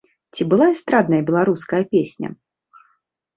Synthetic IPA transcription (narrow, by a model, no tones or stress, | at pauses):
t͡sʲibɨlˠaɛst̪ɾad̪nɐjɐbʲɛlˠaɾuskɐjɐpʲesʲnʲɐ̰